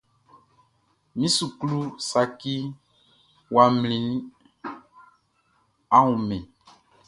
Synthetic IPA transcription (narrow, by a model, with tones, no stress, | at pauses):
mĩ˦su˨klu˦sa˨ki˦ | wa˨mlĩ˨nĩ˦ | ã˦ũ˨mɛ̃˨